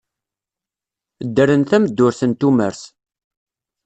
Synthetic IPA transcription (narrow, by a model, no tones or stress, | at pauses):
d̪ːəɾənθæməd̪ːʊɾθənt̪umə̰ɾθ